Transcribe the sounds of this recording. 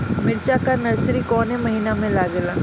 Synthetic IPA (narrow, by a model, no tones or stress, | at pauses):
mɪɾt͡ʃakanɐɾsɾikɔːnɦemɐɦiːnamẽlaːɡelaː